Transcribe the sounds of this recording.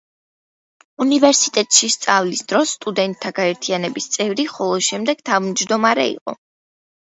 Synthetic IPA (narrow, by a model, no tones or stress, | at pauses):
univɛɾsit̪ʼɛt̪ʼʃist̪sʼavlisd̪ɾɔsːt̪ʼud̪ɛnt̪ʰːaɡaɛɾt̪ʰianɛbist̪sʼɛvɾiχɔlˠɔʃɛmd̪ɛɡ̥t̪ʰavmd͡ʒd̪ɔmaɾɛ̰ḭqʼɔ̰